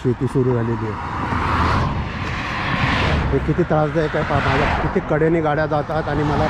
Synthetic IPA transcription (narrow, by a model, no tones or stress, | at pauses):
ɕit̪iːsuɾuːd͡zʱalilie | ɦekit̪ʰiːt̪ɾasd͡zaekajfamad͡zakit̪ʰiːkəɽjeniːɡaɽjad͡zat̪at̪aɽ̃iməla